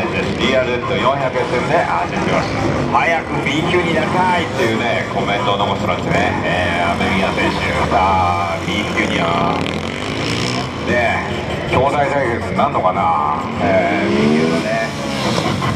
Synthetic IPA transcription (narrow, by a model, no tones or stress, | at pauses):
zesd̪ʲiːaːɾɯ̟est̪ːojõ̞çakɯẽsẽnd̪eʔat̪at̪imast̪ahajakɯ̟bʲikʲɨːɲ̟inaɾit̪ait̪ːe̞jɯ̟ːnekʰo̞mẽ̞nt̪onokosimad̪esɨneeːameɾʲikasẽɕid̪a | bʲikʲuːɲ̟ia̰ | ne | kʲo̞ːd̪ait̪aiɡesɨnãnːo̞kana̰ | ebʲĩkʲɨːd̪ane